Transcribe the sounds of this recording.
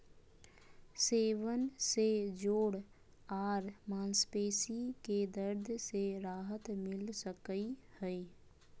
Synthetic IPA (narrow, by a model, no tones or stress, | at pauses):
seːʋənsed͡ʒoːɽ | aːɾmãːnspeːsiked̪əɾd̪ʱseɾaːɦət̪mɪlsəkəihɛi